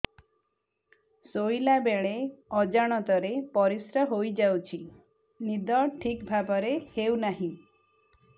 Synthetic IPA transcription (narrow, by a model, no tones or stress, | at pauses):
sojlabeɭeɔd͡ʒaɽ̃ɔt̪ɔɾepɔɾisɾɔɦojd͡ʒawt͡ʃʰi | nid̪ɔʈʰikbʱabɔɾehewnaɦĩ